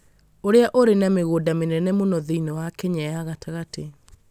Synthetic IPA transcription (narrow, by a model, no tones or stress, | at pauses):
oɾeaʔoɾenameɣodamenɛnɛmonɔðiinɔwakɛɲɛaɣataɣate